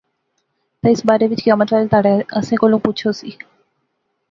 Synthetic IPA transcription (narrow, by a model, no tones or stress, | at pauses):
t̪əɪsbaːɾeʋɪt͡ʃkaːməʈaːlt̪aːɽeəsẽːkoːlũpʊt͡ʃʰosiː